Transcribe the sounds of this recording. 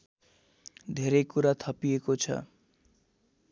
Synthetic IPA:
d̪ʱeɾejkuɾat̪ʰʌpijekot͡sʰʌ̰

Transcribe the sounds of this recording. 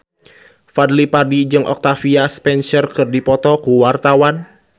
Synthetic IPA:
fadlipadid͡ʒɨŋʔɔ̰k̚t̪afiaspɛnsərkɨrdipɔt̪ɔkuwart̪awan

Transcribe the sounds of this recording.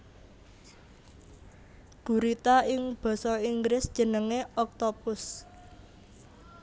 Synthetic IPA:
ɡ̥ṳɾit̪aɪŋb̥ɔ̤sɔiŋɡɾɪsd̥ʒ̥ə̤nəŋeɔk̚t̪opʊs

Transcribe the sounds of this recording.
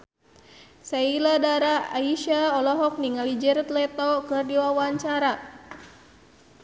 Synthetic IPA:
sailadaɾaaiʃaɔlɔɦɔk̚niŋalid͡ʒɛɾɛt̪lɛt̪ɔkɨrdiwawaɲt͡ʃaɾa

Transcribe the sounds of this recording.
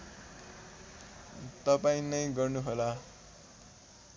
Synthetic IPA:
t̪ʌpaĩnʌjɡʌrnuɦola

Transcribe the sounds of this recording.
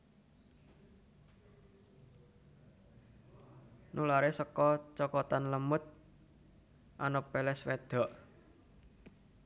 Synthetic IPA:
nulaɾesəkɔt͡ʃɔkɔt̪anləmʊt̪̚ | ʔanopelɛswed̪̥ɔ̤ʔ

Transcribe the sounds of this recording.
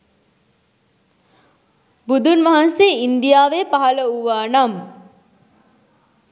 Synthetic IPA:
bud̪unʋaɦanseːind̪ijaːʋepaɦɐləuʋaːnam

